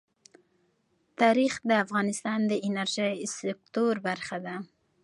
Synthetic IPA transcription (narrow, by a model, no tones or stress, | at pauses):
t̪ɑɾixd̪əafɣɑnɪst̪ɑnd̪əʔɪnaɾʒisɪk̚t̪oɾbaɾxad̪a